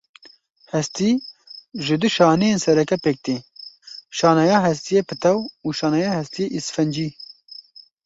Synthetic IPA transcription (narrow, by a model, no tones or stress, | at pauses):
hɛst̪iːʒɪd̪ɨʃɑːnejeːnsɛɾɛkɛpek̚t̪e | ʃɑːnɑjɑːɦɛst̪ijepɨt̪ʰɛwuːʃɑːnɑjɑːhɛst̪ijeʔisfɛnd͡ʒiː